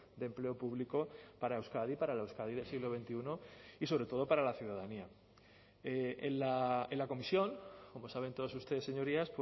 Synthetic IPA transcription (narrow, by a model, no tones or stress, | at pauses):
d̪e̞mple̞o̞puβliko̞paɾaewskaðipaɾalewskaðiðe̞lsiɣlo̞βe̞nt̪iuno̞isoɾe̞t̪o̞ðo̞paɾalaθjuðaðania | eenlaenlako̞misjo̞ŋko̞mo̞saβ̞e̞nt̪o̞ðos̬ust̪eese̞ɲo̞ɾiasp